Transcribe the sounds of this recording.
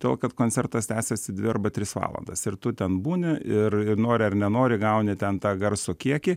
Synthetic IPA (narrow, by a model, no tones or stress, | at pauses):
t̪ʲeːlˠkɐt̪koːnʲt͡ssʲɛrt̪ɐst̪ʲæːsʲɛsʲɪd̪ʲʋʲɪɐrbɐt̪ʲɾʲɪsʋɑ̰ːlˠɐ̰nd̪ɐsɪɾt̪ʊt̪ʲɛnbuːnʲɪɪrɪnoːɾʲɪɐrnʲɛnoːɾʲɪɡɐʊnʲɪt̪ʲɛnt̪ɑːɡɐrsokʲiɛkʲɪ